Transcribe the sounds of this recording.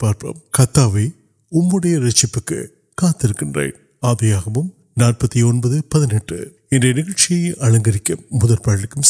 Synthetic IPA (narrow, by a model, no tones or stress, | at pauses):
paːɾpɐ̰mkɐt̪ːaːʋeː | ʊmːɯɽɐjɐɾɐt͡ʃːɪpːɯkːɯ̰ | kaːt̪ːɪɾɯkːɪndrɐ̰ɪn | aːðɐjaːɣɐʋɯm | naːr̚pɐt̪ːiɔnbɐðɯpɐðɪnɛʈːɯ̰ | ɛndrɐnɪɣɐɭt͡ʃɪjɐjʔɐɭɐŋɡɐɾɪkʲːɐmːʊðɐlpaːɽɪɭɪkːɯm